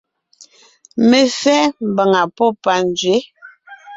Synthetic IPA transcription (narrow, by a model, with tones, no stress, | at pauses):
me˨fɛː˦m̩˨ba˨ŋa˨pɔ˦˨pa˨n˦d͡ʒɥe˨˦